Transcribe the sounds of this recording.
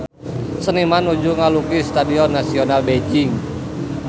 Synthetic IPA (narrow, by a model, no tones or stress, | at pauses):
sənimanud͡ʒuŋalukist̪adiɔnːasionalbed͡ʒiŋ